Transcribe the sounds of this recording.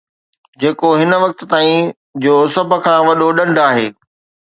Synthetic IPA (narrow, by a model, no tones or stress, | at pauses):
d͡ʑeːkoɦɪnə̆ʋɐk̚t̪̆t̪aːĩ | d͡ʑoːsəbʱə̆kʰãːʋɐɗoɗɐ̃ɳɖaːɦeː